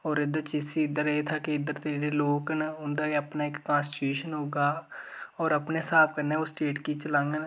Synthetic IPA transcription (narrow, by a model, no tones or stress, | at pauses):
ɔːɾɪd̪at͡ʃisiːɪd̪əɾeːt̪ʰaːkeɪd̪əɾt̪eɽeːloːknʊnd̪aːiəpnaːɪkːãːnsɪʈuːʃənɦoːɡaːɔːɾəpneːsaːp̚ʰkəɾneːʊsʈeːʈkiːt͡ʃəlãːŋɡən